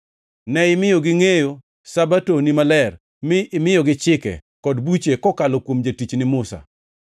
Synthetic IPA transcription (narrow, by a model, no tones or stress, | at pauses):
nɛɪmɪjoɡɪŋejo | sabatonimalɛr | mɪɪmɪjɔɡɪt͡ʃɪkɛ̰ | kɔdbut͡ʃekɔkalɔkwomd͡ʒatit͡ʃnɪmʊsa̰